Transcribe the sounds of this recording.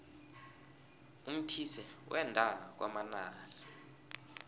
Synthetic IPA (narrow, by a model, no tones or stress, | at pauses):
um̩tʰisɛwʔɛndʱawk̬wʔamanaːla